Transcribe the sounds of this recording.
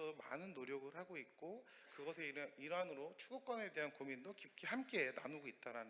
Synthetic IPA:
ʌma̰nɯnːoɾjʌɡɯɭhaɡoit̚k͈o | kɯɡʌs̬ʰe̞ɾiɾanɯɾot͡ɕʰuɡuk͈̚ʌne̞de̞ɦankomindokip̚k͈ʰihamk͈e̞na̰nuɡoit̚t͈aɾanɯ

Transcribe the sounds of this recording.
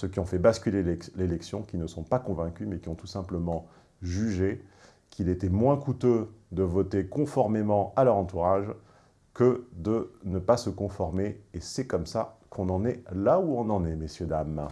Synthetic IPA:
søkʲiɔ̃fɛbaskʲylelɛlelɛksjɔ̃kʲinəsɔ̃pakɔ̃vɛ̃kʲymɛkʲiɔ̃t̪usɛ̃pləmɑ̃ | ʒyʒe | kʰʲilet̪ɛmwɛ̃kut̪ød̪əvɔt̪ekɔ̃fɔʁmemɑ̃alœʁɑ̃t̪uʁaʒ | kəd̪ənəpasəkɔ̃fɔʁmeesɛkɔmsakʰɔ̃nɑ̃nɛlauɔ̃nɑ̃nɛmesjød̪am

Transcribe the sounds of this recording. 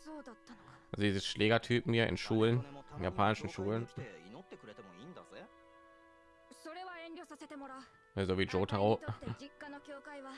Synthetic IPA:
soːd̪aːaziːzəsʃlʔeːɡatʰyːpm̩hiːɐʔɪ̰nʃuːlənnjapʰaːnɪʃn̩ʃuːləninot̪ːekɯ̟ɾet̪emoind̪a | soɾe̞βaẽnʲɾʲoːsase̞t̪e̞moɾa | zoːviːd͡ʒoːtʰaʊd͡ʑikːanokʲoːkaiβa

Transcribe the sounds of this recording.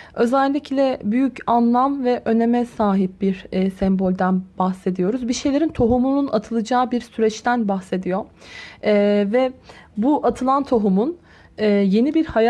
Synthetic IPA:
ø̞zɛlʲːiclʲɛbyjycanlˠamvɛʔø̞ne̞mɛsaːɦip̚biɾːsɛmbo̞lʲd̪ænbaxse̞d̪ijo̞ɾuzbiʃe̞jlʲe̞ɾint̪ʰo̞ɦumununat̪ʰɯlˠɯd͡ʒaːbiɾsyɾɛt͡ʃt̪ʰænbaxse̞d̪ijo̞ | vɛbuʔat̪ʰɯlˠant̪ʰoɦumun | ɛːje̞nibiɾhaj

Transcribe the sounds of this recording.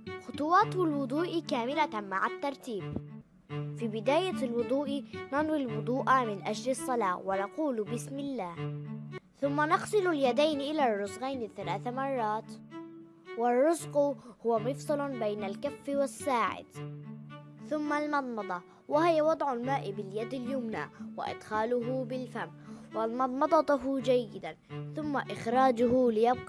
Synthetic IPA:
xʊt̪ˤʊwɑːt̪lwʊd̪ˤuːʔkaːmɪlamaʕat̪ːɑɾˤt̪iːb | fiːbɪd̪aːjalwʊd̪ˤuːʔnanwilwʊd̪ˤuːʔamɪnʔad͡ʒlɪsˤːɑlɑːwanɑquːlbɪsmɪlːaːh | θʊmːanɑqsˤɨlʊljad̪ajnʔɪlarˤːʊzɣajnɪθalaːθamɑrˤːɑːt̪ | wɪrˤːʊzqʊhʊwamɨfsˤɨlbajnalkafːwasːaːʕɪ̰d̪ | θʊmːalmɑd̪ˤmɑd̪ˤɑ | wahɪjawɑd̪ˤʕʊlmaːʔɪbɪljad̪aljʊmna̰ːwa̰ʔɪ̰d̪xaːlʊɦʊbɪlfamːwalmɑðˤmɑd̪ˤɑt̪ʊɦd͡ʒajːɪd̪anθʊmːaʔɪxɾɑːd͡ʒʊhʊlɪjɑb̚qɑ

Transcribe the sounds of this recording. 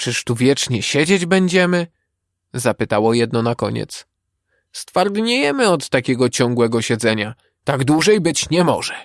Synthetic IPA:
t͡ʂɘʂt̪uvʲjɛt͡ʂɲɛɕɛd͡ʑed͡ʑbɛɲd͡ʑɛmɘ | zapɘt̪awɔjɛd̪nɔnakɔ̰ɲɛ̰t̪s | st̪faɾɡ̪ɲejɛmɘɔt̪ːakʲɛɡɔt͡ɕɔŋɡwɛɡɔɕɛd̪zɛɲa | t̪aɡd̪wuʐɛjbɘt͡ɕɲɛmɔ̰ʐɛ

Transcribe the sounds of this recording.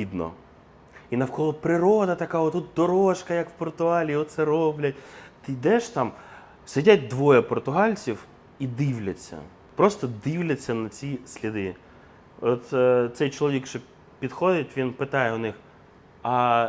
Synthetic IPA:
id̪nɔ̰ | inɐwkɔlˠɔpɾɪɾɔd̪ɐt̪ɐkaɔt̪ut̪̚d̪ɔɾɔʃkɐjɐkwpɔrt̪ʊɦɑlʲiɔt̪t̪sɛɾɔblʲɐt̚ʲt̪ɪjd̪ɛʃt̪ɑm | sɪdʲat̚ʲd̪ʋɔjɛpɔrt̪ʊɦɑlʲt͡sʲiw | id̪iwlʲɐt͡sʲːɐ̰ | pɾɔst̪ɔd̪iwlʲɐt͡sʲːɐnɐt͡sʲisʲlʲid̪ɪ | ɔt̪t̪sɛjt͡ʃɔlˠɔʋʲikʃɔ | pʲid̪xɔd̪ɪtʲʋʲinpɪt̪ɑjɛʊnɪx | ɐ

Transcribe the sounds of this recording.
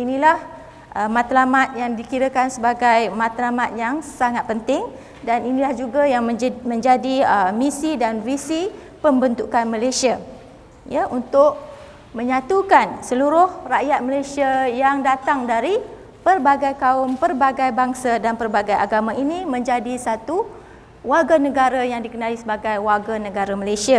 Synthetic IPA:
inilah | ʔəmãt̪lamat̪̚jaŋdikiɾəkansəbaɡajmãt̪lamat̪̚jaŋsaŋat̪̚pənt̪ɪŋ | daninĩlahd͡ʒuɡajaŋmə̃ɲd͡ʒadiəmisidanvisi | pəmbənt̪ukanməlajsia | jaʔunt̪ʊʔ̚ | mə̃ɲãt̪ukansəluɾʊhraʔjat̪̚məlajsiajaŋdat̪aŋdaɾi | pərbaɡajkaʊmpərbaɡajbaŋsadanpərbaɡaja̰ɡamãʔinimə̃ɲd͡ʒadisat̪u | waɡanəɡaɾajaŋdikənãlisəbaɡajwarɡanəɡaɾaməlajsia

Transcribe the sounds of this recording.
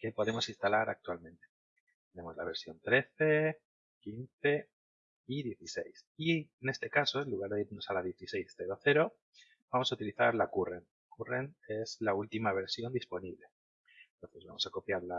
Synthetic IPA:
ke̞po̞ðe̞mo̞sinst̪alaɾak̚t̪ualmẽ̞nt̪e | t̪e̞ne̞mo̞zlaβ̞e̞ɾsjo̞nt̪ɾe̞θe̞ | kinθe̞ | iðje̞θisḛjsiene̞st̪e̞kaso̞eluɣ̞aɾðeiɾnosalaðje̞θise̞jsθe̞ɾoθe̞ɾo̞ | b̥amo̞saut̪iliθaɾlakuren | kurene̞zlault̪imaβ̞e̞ɾsjo̞nd̪ispo̞niβle̞ | nt̪o̞nθe̞βa̰mo̞sako̞pjaɾla

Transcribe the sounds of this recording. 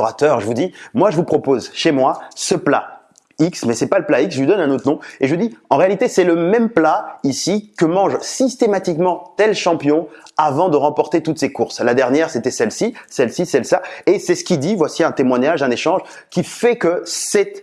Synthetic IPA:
ʁat̪œʁʒəvud̪imwaʒəvupχɔpozʃemwasəpla̰ | iksmɛsɛpaləplaiksʒəɥid̪ɔnɛ̃not̪χənɔ̃eʒəud̪iɑ̃ʁealit̪esɛləmɛmplaisikəmɑ̃ʒsist̪emat̪ikmɑ̃t̪ɛlʃɑ̃pjɔ̃avɑ̃d̪əʁɑ̃pɔʁt̪et̪ut̪sekuʁslad̪ɛʁnjɛʁset̪ɛsɛlsisɛlsisɛlsaesɛsə̥kʲid̪ivwasiɛ̃t̪emwaɲaʒɛ̃neʃɑ̃ʒ | kʲifɛkəsɛt̪

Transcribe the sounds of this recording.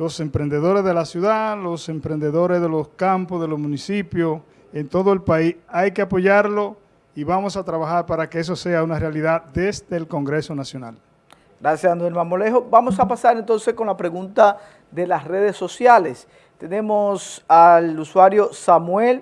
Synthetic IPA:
lo̞se̞mpɾend̪e̞ðo̞ɾe̞zð̞e̞lasjuðalo̞se̞mpɾend̪e̞ðo̞ɾe̞zðe̞lo̞skampozðelozmũnisipjo | e̞nt̪o̞ðoe̞lpaisajke̞apo̞ʝaɾlo̞ | iβamo̞sat̪ɾaβaxaɾpaɾakees̬o̞se̞aunarealiðad̪e̞zd̪e̞ːlko̞ŋɡɾe̞so̞nasjo̞nal | ɡ̥ɾasjasand̪elmamoleɦobamosapasaɾent̪o̞nsesko̞nlapɾeɣunt̪a | ðe̞lasre̞ð̞esːo̞sjales | t̪enẽmosaluswaɾjo̞samwel

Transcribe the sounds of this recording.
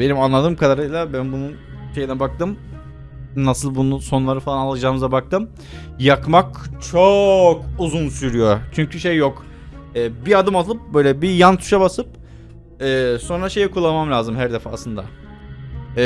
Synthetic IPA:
be̞nimanlˠad̪ɯːmkʰad̪aɾɯjlˠabænbunun | ʃe̞jinɛbak̚t̪ɯm | nasɯlˠbunuso̞nlˠaɾɯfalˠanalˠad͡ʒaːmɯzabak̚t̪ɯm | jakmakt͡ʃʰokuzunsyɾyjo̞t͡ʃʰyɲcʰyʃejːok | ɛːbiad̪ɯmallˠɯp̚bø̞jlʲɛbijant̪ʰu̥ʃabasɯp̚ | ɛːso̞nɾaʃe̞jikʰulˠːamamlʲaːzɯmɦæɾd̪efa̰ːslˠɯnd̪a̰

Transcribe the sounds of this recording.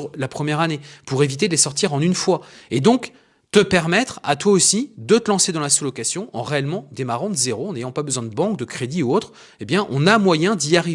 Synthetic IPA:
lapχəmjɛʁanepuʁevit̪ed̪əlesɔʁt̪iʁɑ̃nynfwaed̪ɔ̃k | t̪əpɛʁmɛt̪χa̰t̪waosid̪ət̪əlɑ̃sed̪ɑ̃lasulɔkasjɔ̃ʔɑ̰̃ʁeɛlmɑ̃d̪emaʁɑ̃d̪əzeʁoɑ̃nejɑ̃pabəzwɛ̃d̪əbɑ̃k̚d̪əkχed̪iuot̪χ | ebjɛ̃ʔɔ̰̃namwajɛ̃d̪iaʁi

